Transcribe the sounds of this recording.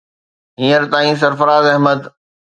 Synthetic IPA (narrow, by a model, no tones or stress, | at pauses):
ɦĩːəɾt̪aːĩs̬ɐɾfəɾaːzɛɦməd̪